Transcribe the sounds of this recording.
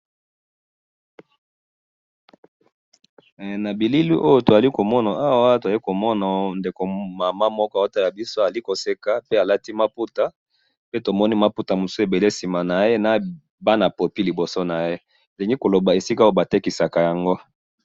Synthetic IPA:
na˨bi˨li˦li˦ʔo˦jo˦to˨za˨li˦ko˨mɔ˦na˨a˦wa˦to˨za˨li˦ko˨mɔ˦na˨nde˨ko˨ma˨ma˦mɔ˦kɔ˦˨o˦ta˦ja˨bi˦so˦a˨li˦ko˨se˦ka˨pe˦a˨la˦ti˦ma˦pu˦ta˨ | pe˦to˨mɔ˦ni˦ma˦pu˦ta˨mu˨su˦e˨be˨le˦˨si˨ma˨na˨je˦na˨ | ba˦na˨po˨pi˦li˨bo˨so˦na˨je˦ | e˨li˨ŋɡi˦ko˨lo˨ba˨e˨si˦ka˦o˦˨ba˨te˦ki˨sa˨ka˨ja˨ŋɡo˦

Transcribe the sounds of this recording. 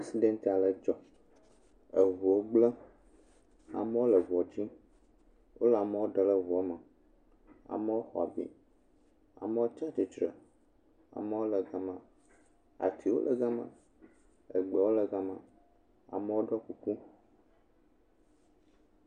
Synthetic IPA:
pe˦si˦ɖẽ˦nt̪i˨a˨lə˨d͡ʒɔ˨ | ə˨vu˨wo˦ɡ͡blə˦ | a̰˨mɛ˦o˦lə˨vɔ˨d͡ʑi˦ | wo˦la˨mɛ˦wo˦ɖə˨lə˦vu˨ɔ˦mə˨ | a̰˨mə˦wo˦xɔ̰˨a˨bḭ˨ | a̰˨mə˦wo˦t͡ʃa˦t̪i˨t͡ʃɾə̰˨ | a̰˨mɛ˦wo˦lə˨ɡa˨mã˨ | a̰˨t̪ʰi˨wo̰˦lʔə̰˨ɡa˦mã̰˨ | ə˨ɡ͡bɛ˨wo˦lə˨ɡa˦mã̰˨ | a̰˨mə˦wo˦ɖɔ˦ku˦ku˦

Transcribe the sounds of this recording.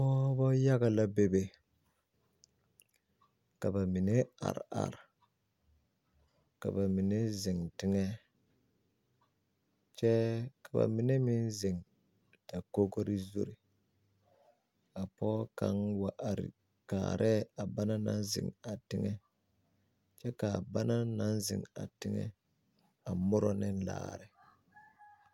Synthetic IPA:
pɔː˦bɔ˦ja˦ɣa˨la˦be˦˨be˨ | ka˨ba˨mi˨ne˦a̰˨ɾa̰˨ɾ | ka̰˨ba˨mi˨ne˦zɪ˨ŋtɪ˦ŋɛ˦ | t͡ʃɛ˦ka˨ba̰˨mɪ˨ne˦mɪ˦nzɪ˨ŋ | da˨ko˦ɡo˦ɾɪ˦zo˦ɾi˨ | a˨pɔ˦ka̰˦ŋwa˨ʔɾ | kaː˨ɾʔɛ˦˨a˨ba˦na˦na˦nzɪ̰˨ŋa˨tɪ˦ŋɛ˦ | t͡ʃɛ˦ka˨ba˦na˦na˦nzɪ̰˨ŋa˨tɪ˦ŋɛ̰˦ | a˨mʊ˦ɾɔ˦nɪ˦n˦la̰ː˨ɾɪ˨

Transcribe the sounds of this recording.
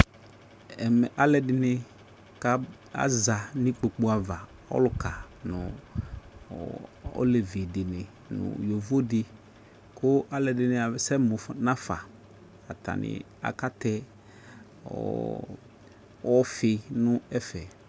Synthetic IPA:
ɛ˨mɛ˨ʔa˦lɛ˨dɪ˨nɪ˨ | ka˦ | a̰˨za˨nĩ˦k͡po˨k͡pu˦a˨va˨ | ɔ̰˦lʊ˨ka˨ | nʊ̰̃˨ | o̰˦le˨vɪ˨dɪ˨nɪ˨ | nʊ̰̃˨jo˨vo˦dɪ˨ | kʰʊ˦a˦lɛ˨dɪ˨nɪ˦a˨˦sɛ˦mʊ˨fnã˦fa˨ | a˨t̪a̰˨nɪ̰˨ | a̰˨ka˦t̪ɛ˦ | ɔ̰˨ | wɔ˦fɪ˨nʊ̃˦ɛ˦fɛ˨

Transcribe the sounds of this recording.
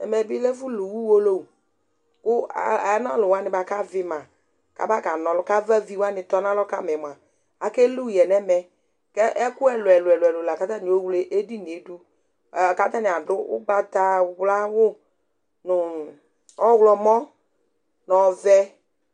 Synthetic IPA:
ɛ̰˨mɛ˨bi˦lɛ˦fu˦lu˨wu˦wo˦lo˦˨ | kʊ˦a̰˨a˨˦nɔ˦˨lʊ˨wa˦nɪ˨ba˨ka˦vɪ˨˦mã˨ | ka̰˦ba˦˨ka˨nɔ˨lʊ˦ka˦va˦vi˦wa˦nɪ˨tɔ˦nã˦lɔ˦ka˦mɛ˨m˨a˨ | a˨kɛ˦lu˦˨jɛ˨nɛ˦mɛ˨ | kɛ˦ʔɛ˦kʊ˦ɛ˦lʊ˨ɛ˨lʊ˨ɛ˨lɛ˨lʊ˨la˨ka˦ta˦n˨o˦wle˦ʔe˦di˦ni˨e˨˦du˦˨ | ka˦ta˦nɪ˨a˨dʊ˦ʊ̰˦ɡ͡ba˨ta˦˨wla˦wʊ˦ | nʊ˨ | ɔ˦wlɔ˨mɔ˦ | nɔ˨vɛ˦

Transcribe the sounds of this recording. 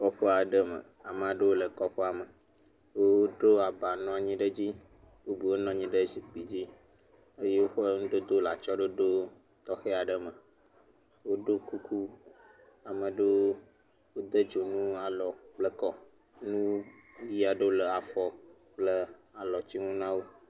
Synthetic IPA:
kɔ˦ɸe˦a˨˦ɖə˦mə̰˨ | a˨m̃˨a˨ɖə˦wo˦lə˨kɔ˦ɸe˦a˨mə˨ | o˦wo˦ɖo˦a˨ba˨nɔ̃˨a˨ɲĩ˦ɖə˦d͡ʑi˦ | wo˦bi˨wo˦nɔ̃˦ɲĩ˦ɖə˦zi˨k͡pi˨d͡ʑi˦ | e˦je˦wo˦ɸə˦ŋũ˦ɖə˦d̪o˦la˨t͡ʃɔ˦ɖə˦ɖo˦ | t̪ɔ˦xe˦a˨ɖə˦mə˨ | wo˦ɖo˦ku˦ku˦ | a˨mə˨ɖe˦ | wo˦d̪ə˦d͡ʒo˨nũ˦a˨lɔ˨k͡plə˦kɔ˦ | nũ˦o˦wi˦a˨ɖə˦o˦lə˨a˨fɔ˨ | k͡plə˦a˨lɔ˨t͡ɕi˦ŋũ˦nã˦wo˦

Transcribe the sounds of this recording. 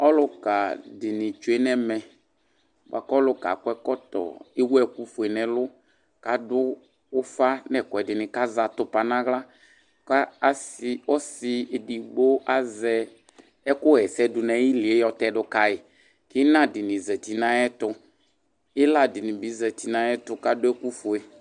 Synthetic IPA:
ɔ˦lʊ˦ka˨dɪ˨nɪ˨t͡ʃu˨˦e˦nɛ˦mɛ˨ | b̰a˨kɔ˦lʊ˦ka̰˨kʊ˦ɛ˦kɔ˦tɔ̰˨ɪ˦wu˦ɛ˦˨ku˦fʊ˨ɛ˨nɛ˨lʊ˦ | ka˨dʊ˦ | ʊ˦fa˦nɛ˨kɔ˨ɛ˨dɪ˨nɪ˨ka˦za˨tʊ˦pa˨nã˦ɣla˦ | ka˦a˦sɪ˦ɔ˦sɪ˧˨di˨ɡ͡bo˦ʔa˦zɛ˧ | ɛ˦kʊ˦ɣɛ˨sɛ˦dʊ˨nɛ˨˦ji˦lɪ˨e˨˦jɔ˨tɛ˨dʊ˦ka˨ɪ˨ | kɪ˦nã˦dɪ˨nɪ˨zə˨ti˨nã˦ɛ˦tʊ˧ | ɪ˦la˦˨dɪ˨nɪ˨bi˨˦zə˨ti˨nã˦ɛ˦tʊ˧ka˦dʊ˦ɛ˦ku˦fʊ˨e˨

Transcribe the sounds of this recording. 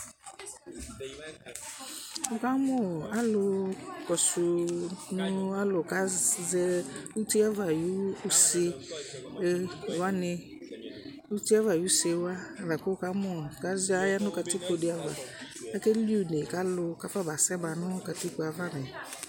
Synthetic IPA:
ʊ˨ka˦mɔ˦˨a˦lʊ˦kɔ˨sʊ˨nʊ̃˦a˦lʊ˨ka˦zɛ˦u˦ti˦a˦va˨ju˦u˦se˦˨ | wa˦nɪ˨ | u˦tu˦a˦va˨ju˦se˨˦wa˦a˨va˨kʊ˦ka˦mɔ˦˨ka˦a˦ja˦nʊ̃˦ka˨tɪ˦ko˨dɪ˨˦a˨va˨a˦ke˦li˦u˦˨ne˨ka˦lʊ˧˦ka˦fa˦ba˨sɛ˦ba˨nʊ̃˦ka˨tɪ˦ku˨˦a˨va˦nɪ˨

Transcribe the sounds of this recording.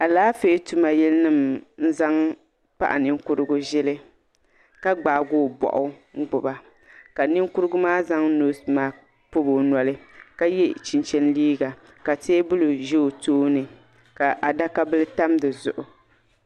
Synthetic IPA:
a˨laː˦feː˦tu˦ma˨jɛ˦lnɨ˦mn̩˦za˦ŋ | pa̰˦ʔa̰˨nɪ˦ŋ˦kʊ˦ɾɨ˦ɡʊ˦ʒɛ˦lɨ˦ | ka˦ɡ͡baː˨ɡʊː˦˨bɔ̰˨ʔʊ˦ŋ̩˦ɡ͡bʊ˨ba˨ | ka˨nɪ˦ŋ˦kʊ˦ɾɨ˦ɡʊ˦maː˦za˦ŋnoː˦smaː˦ | po˦bo˨nɔ˨lɨ˦ka˦jɛ˦t͡ʃi˨nt͡ʃɛ˦nliː˦ɡa˨ | ka˨teː˦bʊ˦lɨ˨ʒe˦˨toː˦nɨ˨ | ka˨ʔa˨da˦ka˦bɨ˦lɨ˦ta˦mdɨ˨zʊ̰˨ʔʊ˨

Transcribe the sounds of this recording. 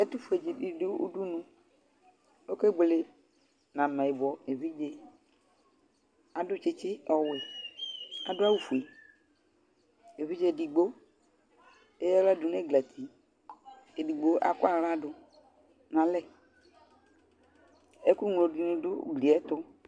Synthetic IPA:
ɛ˦t̪u˦fu˨˦e˨d͡ʒi˨i˨de˦ṵ˦du˦nũ˦ | o˦ke˦ɡ͡ble˨ | nã˨mã˨i˨bɔ˨e˨vi˦d͡ʒe˦ | a˨dʊ˦t͡ʃɪ˦t͡ʃɪ˦ɔ˨wɛ˨ | a˨dʊ˦a˦wu˨fu˨e˨ | e˨vi˦d͡ʒe˦˨di˨ɡ͡bo˦ | e˦jɛ˦la˦du˨nẽ˦ɡla˨t̪ʰi˨ | e˨di˨ɡ͡bo˦ʔa̰˨kʊ˦a˨ɾa˦dʊ˨ | nã˨lɛ˦ | e˦ku˦ŋlo˨di˨nũ˨dʊ˦ɡli˨ɛ˦t̪ʊ˦

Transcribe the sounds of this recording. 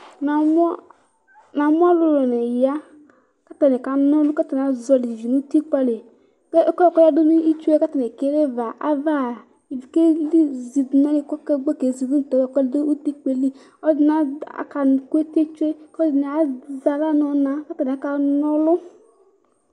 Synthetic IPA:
na˨m˦ | na˨mu˦a˦lu˨lɔ˨nɛ˨ja˦ | ka˦ta˨nɛ˨ka˨nɔ˦lʊ˦ka˦ta˨n˨a˨˦zɔ˧li˨i˨vi˨nu˦ti˦k͡pa˧le˨ | ke˦kɔ˦˨kɔ˦ja˦du˦nu˦i˦t͡ʃe˦ɛ˦ka˦ta˨nɛ˨ke˨˦le˦va˨ʔa˦va˦˨ | i˨vi˨ke˦li˦zi˨du˨˦na˦le˦kɔ˦kɛ˦ɡ͡bɔ˦˨ke˨zi˨du˦n̩˨tɔ˨wa˨˦kɔ˦de˦u˦ti˦k͡pe˨li˦ | ɔ˦d͡ʒi˨na˨a̰˨ka˨kʷe˦te˦t͡ʃe˦kɔ˦d͡ʒi˨nɛ˨a˨za˨la˦nɔ˨na˨ka˦ta˨nɛ˨a˨ka˨nɔ˦lʊ˦

